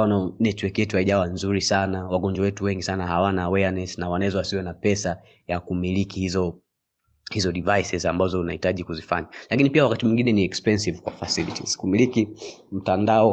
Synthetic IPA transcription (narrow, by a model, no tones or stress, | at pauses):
ananɛtwɛkjɛtuhaiʄawanzuɾisanawaɡɔɲd͡ʒwawɛtuwɛŋɡisanahawanawɛanɛsnawanaɛzɔwasiwɛnapɛsa | jakumilikihizɔ | hizɔɗivajsɛzambazɔunahitaʄikuzifa̰ɲalakinipiawakatimwiŋɡinɛniɛkspɛnsivkwafasilḭtḭz̥kumilikim̩tandaɔ